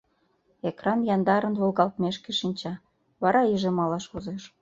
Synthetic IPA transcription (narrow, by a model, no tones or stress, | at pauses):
ekrɑnjɑnd̪ɑɾənβolɣɑlt̪meʃkeʃinʲt͡ɕɑ | βɑɾɑiʒemɑlɑʃozeʃ